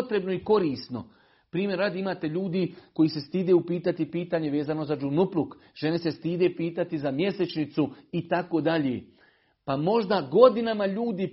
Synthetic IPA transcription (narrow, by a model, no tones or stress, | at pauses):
t̪ɾe̞bno̞iko̞ɾiːst̪no̞̰ | pɾiːmje̞ɾad̪imaːt̪e̞ʎuːd̪iko̞jiːse̞st̪iːd̪eːupiːt̪at̪ipiːt̪aːɲe̞ʋe̞ːzano̞zad͡ʒunupluk | ʒ̥e̞nesest̪iːd̪e̞piːt̪at̪izamje̞se̞t͡ʃnit̪suit̪akoːd̪aʎḛ | pamo̞ʒd̪aɡo̞d̪inamaʎuːd̪i